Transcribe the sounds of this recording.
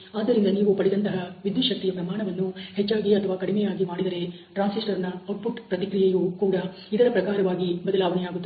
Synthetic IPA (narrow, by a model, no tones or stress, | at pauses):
aːd̪ːɐɾind̪ɐniːʋupɐɽid̪ɐnt̪ɐɦɐʋid̪juʃɐk̚t̪ijɐpɾɐmaːɳɐʋɐnːuhɛt͡ʃːaːɡiɐt̪ʰːɐʋaːkɐɽimɛjaːɡimaːɽid̪ɐɾe̞ | ʈɾaːnsisʈɐɾɐnːɐɐʈ̚puʈpɾɐt̪ikɾijɐjukuːɽɐ | id̪ɐɾɐpɾɐkaːɾɐʋaːɡibɐd̪ɐlaːʋɐnɛjaːɡut̪ːe